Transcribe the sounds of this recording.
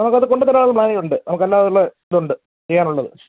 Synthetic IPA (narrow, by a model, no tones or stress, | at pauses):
nɐmukːɐðɨko̞ɳɖut̪ːɐɾaːɭɐðmɭaːnijuɳɖɨnɐmukːelːaːʋɐðuɭːend̪uɳɖɨ | t͡ɕejːaːnuɭːɐðɨ̰